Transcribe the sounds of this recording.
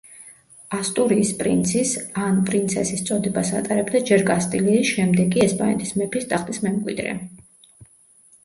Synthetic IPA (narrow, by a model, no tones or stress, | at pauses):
ast̪ʼuɾiːspʼɾḭnt̪sʰisanpʼɾint̪sʰɛsist̪sʼɔd̪ɛbasa̰t̪ʼaɾɛbd̪ad͡ʒɛɾkʼast̪ʼiliːʃɛmd̪ɛɡʼiɛspʼanɛ̰t̪ʰʼismɛpʰist̪ʼaχt̪ʼismɛmkʼwḭd̪ɾɛ̰